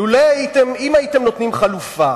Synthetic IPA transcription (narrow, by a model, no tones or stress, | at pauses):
ulajajit̪emimaitemnot̪nimχalufa